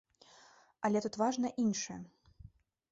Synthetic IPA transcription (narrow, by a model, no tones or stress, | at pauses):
ɐlʲɛt̪ut̪vaʐnɐʔinʂɨjɐ̰